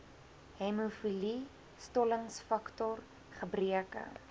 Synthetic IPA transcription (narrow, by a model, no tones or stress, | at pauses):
ɦɛmufili | stɔləŋsfɐktɔr | χəbriəkə̰